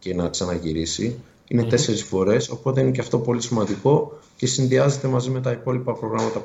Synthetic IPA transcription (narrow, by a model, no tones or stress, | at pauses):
enɐksɐnɐʝiɾisi | ine̞t̪e̞se̞ɾisfo̞ɾe̞so̞po̞t̪eine̞ceɐft̪o̞po̞lisimɐnd̪iko̞ce̞sinðiɐze̞t̪e̞mɐzime̞t̪ɐipo̞lipɐpɾo̞ɣɾɐmɐt̪ɐ